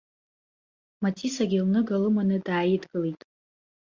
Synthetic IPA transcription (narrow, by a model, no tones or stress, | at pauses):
matʰʼisaɡʲilnɨɡalɨmanɨdaːjɪdɡɨlejtʼ